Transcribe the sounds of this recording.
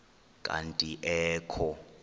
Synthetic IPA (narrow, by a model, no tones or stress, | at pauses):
kʼa̰ntʼiʔɛːkʰɔ